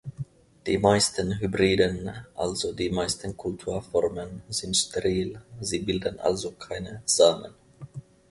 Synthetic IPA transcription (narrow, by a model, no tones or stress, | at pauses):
d̥ḭːmaɪstənɦybʁiːdənʔa̰lzodiːmaɪstənkʰʊltʰuːɐfɔʁmənzɪntʃtʰɛʁiːlziːbɪldənʔa̰lzokʰaɪnəz̥aːmə̰n